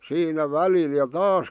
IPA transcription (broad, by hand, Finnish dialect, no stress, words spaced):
siːnæ ʋælil jɑ tɑːs